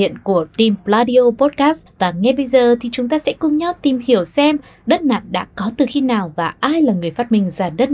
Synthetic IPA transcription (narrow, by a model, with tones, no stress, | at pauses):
ḭ˧˨ənku˧˩ət̪i˨˩mplaː˧ɗi˧o˧po˦˥t̚kaː˦˥svaː˨˩ŋɛ˧ɓə˧jzəː˨˩t̪ʰi˨˩t͡ɕʊ˨˦ŋ͡mt̪aː˧sɛ̰˧˥kʊ˧ŋ͡mɲɔ˨˦wt̪i˨˩mhi˧˩əwsɛ˧m | ɗə˦˥t̚na̰ː˧˨nɗa̰ː˧˥kɔ˨˦t̪ɨ˨˩xi˧naː˨˩wvaː˨˩ʔaː˧jlaː˨˩ŋɨ˨˩əjfaː˦˥t̚mï˨˩ŋ̟zaː˧˩ɗə˦˥t̚